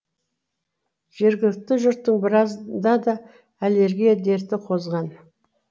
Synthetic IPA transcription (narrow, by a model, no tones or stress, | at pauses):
ʒ̥e̞ɾɡʲɪlɪk̚t̪ɪʒʊɾt̪ːəɴbɪɾɑzd̪ɑd̪ɑ | æle̞ɾɡʲijad̪e̞ɾt̪ɪqʰo̞zʁɑn